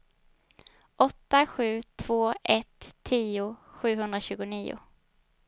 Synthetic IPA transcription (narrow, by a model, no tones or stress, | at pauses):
ʔɔt̪ːaɧʉ̟ːt̪ʰv̥oːʔɛt̪ʰːiːʊɧʉ̟ːɦɵnd̪ɾaɕʉ̟ːɡʊniːʊ̰